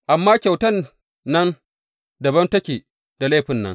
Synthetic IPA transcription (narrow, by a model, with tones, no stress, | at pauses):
ʔa˨mːaː˦kʲa˨wtɐ˦nː | ɐ˦n | dɐ˨bɐ˦ntɐ˦kʲeː˨ | d̥a˨leː˦ɸɪ˨nːɐ̰˦ŋ